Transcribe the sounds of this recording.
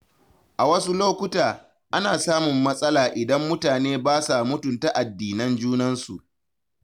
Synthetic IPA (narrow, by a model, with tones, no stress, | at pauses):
ʔa˨wɐ˦su˦loː˦kʷʊ˦taː˨ | ʔa˦naː˨saː˦mʊ˨mːɐ˦sʼɐ˦laː˨ʔɪ˨dɐ˦mːʊ˦taː˨neː˦baː˦sa˨mʊ˦tʊ˨nta˦ʔa˨dːiː˨nɐ˦nd͡ʒuː˦nɐ˦nsṵ˨ʔ